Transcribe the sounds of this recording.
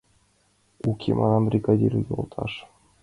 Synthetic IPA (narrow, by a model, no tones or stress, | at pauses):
ukʲʰemʔɑnɑmbrʲiɡɑdʲiɾʲujolˠt̪ʰɑ̰ʂ